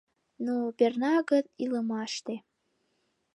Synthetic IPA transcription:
nopernɑɡəðiləmɑʃt̪e

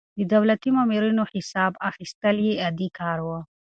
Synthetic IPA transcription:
d̪əd̪awlat̪imamiɾinohɪsɑbaxist̪əljead̪ikʰɑɾwə

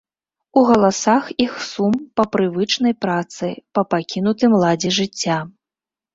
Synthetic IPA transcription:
uɣɐlˠasaxixsumpɐpɾɨvɨt͡ʂnɐjpɾat̪sɨ̰jpɐpakʲin̪ut̪ɨmlˠad͡zʲiʐɨt͡sʲːa

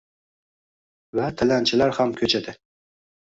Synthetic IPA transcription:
væt̪ʰɪlænt͡ʃʰɪlæɾhamkʲʰɵt͡ʃʰɛd̪ɪ

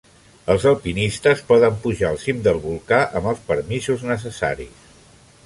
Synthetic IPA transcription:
əlˠzəlˠpinist̪əspɔðəmpuʒaəlˠsimd̪əlˠβulˠkaʔəməlˠspəɾmizuznəs̬əsa̰ɾḭs

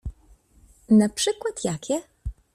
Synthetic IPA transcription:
napʂɘkwat̪jakʲɛ

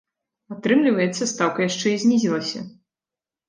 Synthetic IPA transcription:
at̪ɾɨmlʲivɐjɛt̪sːɐst̪awkɐjaʂt͡ʂɛizʲnʲizʲilˠɐsʲɐ̰

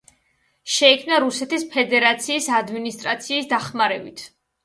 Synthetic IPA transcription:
ʃɛikʰmnaɾusɛt̪ispʰɛd̪ɛɾat̪sʰiːsad̪minist̪ʼɾat̪sʰiːsd̪aχmaɾɛbit̪ʰ

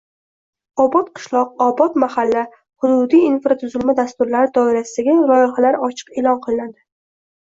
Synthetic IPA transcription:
ɒbɒt̪̚qʰɨ̥ʃlˠɒq̚ɒbɒt̪mahalːa | hʊd̪ʊd̪ijinfɾat̪ʰʊzɪlmad̪ast̪ʊɾlaɾɪd̪ɒɪɾasɪd̪aɡʲalɒjɪɦalaɾɒt͡ʃʰɨ̥qelˠɒnqʰɨlˠɪnad̪ɪ

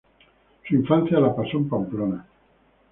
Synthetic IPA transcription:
suiɱfanθjalapasompamplona

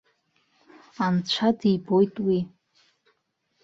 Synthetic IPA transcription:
ant͡ɕʷʰadibo̞jtʼwi

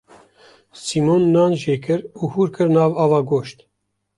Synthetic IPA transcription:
simonːɑːnʒeːkʰɨɾuːhuːɾkʰɨɾnɑːvɑːvɑːɡoːʃt̪

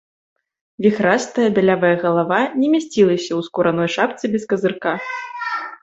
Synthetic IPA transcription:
vʲixɾast̪ɐjɐbʲɛlʲavɐjɐɣɐlˠavanʲɛmʲasʲt͡sʲilˠɐsʲɐwskuɾanɔjʂap̚t̪sɨbʲɛskɐzɨrka

